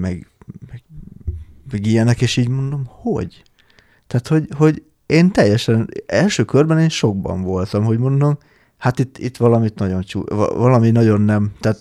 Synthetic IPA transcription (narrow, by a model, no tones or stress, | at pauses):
mɛɡmɛɡ̥ | mɛɡijɛnɛkeːʃiːɟmo̞nd̪o̞mho̰ɟ | t̪aːt̪ho̞ɟho̞ɟ | eːnt̪ɛjːɛʃɛnɛlʃøːkørbɛneːnʃo̞ɡ̚bɒ̰ɱvo̞lt̪ɒmho̞ɟmo̞nd̪o̞m | hat̪it̪ːḭt̪ːʋɒlɒmit̪nɒɟo̞nt͡ʃṵvɒlɒminɒɟo̞nːɛmt̪aːt̪